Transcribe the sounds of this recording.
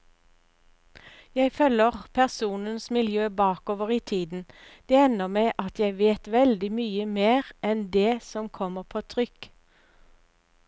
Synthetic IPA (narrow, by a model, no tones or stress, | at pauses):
jæɪføːləʁpʰæʁsuːnənsmɪljøːbɑːkoːʋəʁiːt̪ʰiːd̪n̩d̪̥ɛːɛnəʁmeɪʔɑt̪jæɪʋeːt̪ʋɛld̪ɪmyːəmeːʁɛnd̪eːsɔmkʰɔməʁpʰoːt̪ʰʁʏk